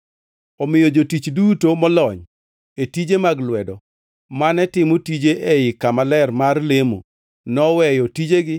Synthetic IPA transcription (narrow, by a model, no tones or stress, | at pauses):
ɔmɪjod͡ʒotit͡ʃdutomɔlɔɲ | etid͡ʒemaɡlwɛdɔ | manɛtɪmotid͡ʒeʔeɪkamalɛrmarlemo̰ | nɔwɛjɔtid͡ʒeɡɪ